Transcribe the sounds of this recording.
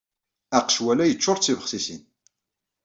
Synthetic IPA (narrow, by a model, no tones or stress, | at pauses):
æqʃwælæjət͡ʃːʊɾˤt͡sːivəχsisḭn